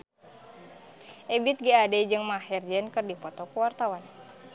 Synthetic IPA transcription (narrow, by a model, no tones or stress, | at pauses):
ʔɛbit̪̚ɡiadɛd͡ʒɨŋmahɛrd͡ʒɛnkɨrdipɔt̪ɔkəwart̪awan